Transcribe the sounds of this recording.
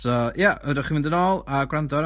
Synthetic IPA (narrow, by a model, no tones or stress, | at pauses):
sɔjaədəχimɪ̃ndənɔːlˠaɡwrandɔɾ